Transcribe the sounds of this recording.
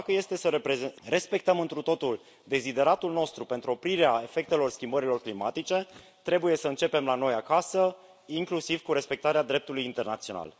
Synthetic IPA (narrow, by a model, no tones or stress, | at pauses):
d̪akəje̞st̪e̞səɾepɾezre̞spe̞k̚t̪əmɨnt̪ɾut̪o̞t̪ul | d̪e̞zid̪e̞ɾat̪ulno̞st̪ɾupe̞nt̪ɾuo̞pɾiɾeae̞fe̞k̚t̪e̞lo̞rskʲimbəɾilo̞rklima̰t̪it͡ʃe̞ | t̪ɾe̞buje̞səɨnt͡ʃe̞pe̞mlano̞jakasə | iŋklusivkuɾe̞spe̞k̚t̪aɾead̪ɾe̞p̚t̪ulujint̪e̞rna̰t̪sio̞na̰l